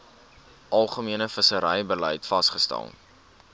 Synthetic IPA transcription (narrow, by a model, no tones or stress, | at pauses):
ʔɐlˠχəmiənəfəsəɾəjbəlɛjtfɐsχəstæ̰lˠ